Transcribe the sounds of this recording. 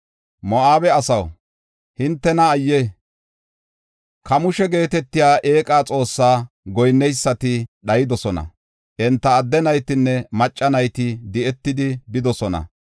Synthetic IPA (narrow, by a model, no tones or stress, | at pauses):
mɔaːbɛɐsɐw | hɪnt̪ːɛnɐːjːɛ | kɐmʊʃɛɡe̞ːt̪ɛt̪ːɪjaːʔeːkʼaːt͡sʼo̞ːsːaː | ɡɔjnːɛjsːɐt̪ɪɗɐjɪd̪ɔsɔnɐ̰ | ʔɛnt̪ːɐːd̪ːɛnɐjt̪ɪnːɛmɐt͡ʃʼːɐnɐjt̪ɪd̪ɪɛt̪ːɪd̪ɪbɪd̪ɔsɔnɐ̰